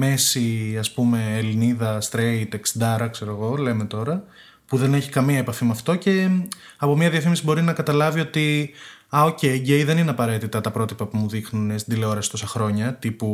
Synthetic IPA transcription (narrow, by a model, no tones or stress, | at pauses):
me̞siɐspume̞ːliniðɐst̪ɾeit̪eksid̪ɐɾɐkse̞ɾo̞ɣo̞le̞me̞t̪o̞ɾɐ | puðe̞neçi̥kɐmiɐepɐfimɐft̪o̞ce̞ | ɐpo̞miɐðiɐfimisibo̞ɾinɐkɐt̪ɐlɐvio̞t̪i | ɐo̞ce̞iɟe̞iðe̞nineɐpɐɾe̞t̪it̪ɐt̪ɐpɾo̞t̪ipɐpumuðixnunest̪ind̪ileo̞ɾɐsi̥st̪o̞sɐxɾo̞ɲɐt̪ipu